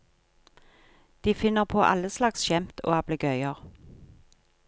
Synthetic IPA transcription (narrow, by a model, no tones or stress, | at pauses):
d̪̥iːfɪnəʁpʰoːʔɑ̰ləslɑksʃɛmt̪ʰo̰ːɑbləɡœʏəʁ